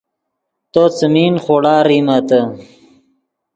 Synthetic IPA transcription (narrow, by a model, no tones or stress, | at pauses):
t̪ot͡səmiːnχoːɽaːɾiːmat̪ə